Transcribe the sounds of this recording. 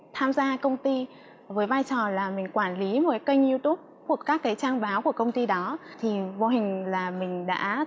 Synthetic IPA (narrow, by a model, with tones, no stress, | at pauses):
t̪ʰaː˧mzaː˧kə˧wŋ͡mt̪i˧ | vəː˨˦jvaː˧jt͡ɕɔ˨˩laː˨˩mï˨˩ŋ̟kwaː˧˩nli˨˦mo˨˩kkə˧jŋʔi˧t̪u˦˥p̚ | ku˨˩əkːaː˦˥kːaː˨˦jt͡ɕaː˧ŋɓaː˨˦wku˧˩əkə˧wŋ͡mt̪i˧ɗɔ˨˦t̪ʰi˨˩vo˧˩ɦï˨˩ŋ̟laː˨˩mï˨˩ŋ̟ɗa̰ː˧˥